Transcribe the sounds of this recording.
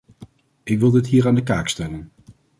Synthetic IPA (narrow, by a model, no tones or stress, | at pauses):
ɪkʋɪlˠdɪtɦiːɾaːndəkaːkstɛlən